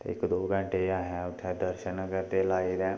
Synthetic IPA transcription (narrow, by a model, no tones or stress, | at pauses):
t̪ḛːɪ̰kd̪oːɡə̃ɳʈeːaːɦɛːʊt̪ʰːɛːd̪əɾʃənkəɾd̪eːlaːiːd̪ɛ̃ː